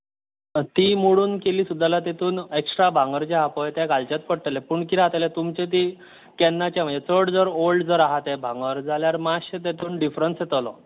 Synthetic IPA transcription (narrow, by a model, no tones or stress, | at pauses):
t̪iːmoɽuːnkeliːsud̪ʱːalat̪et̪ʰuːneksʈɾabʱãŋɡəɾt͡ɕeɦapɔjt̪jakalt͡ɕat̪̚kəɽt̪əlepuːɳkiɾaɦt̪alet̪umt͡ɕet̪̬i | kɛnːat͡ɕjam̤ənd͡zet͡səɽd͡zəɾolɖd͡zəɾaɦat̪ɛbʱãŋɡəɾd͡zaljaɾmaɕət̪̬et̪ʰuːnɖifɾənsjet̪əlɔ